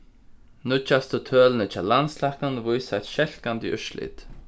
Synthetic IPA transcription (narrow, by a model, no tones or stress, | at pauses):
nʊt͡ʃast̪ət̪ʰøːlnɛt͡ʃalanslaknənvʊjsat̪ʃɛl̥kand̪ḭʔʏ̰ʃlɪ̰t̪